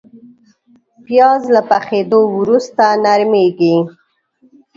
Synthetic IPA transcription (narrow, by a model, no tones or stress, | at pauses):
pjɑzlapaxed̪owɾust̪anaɾmeɡi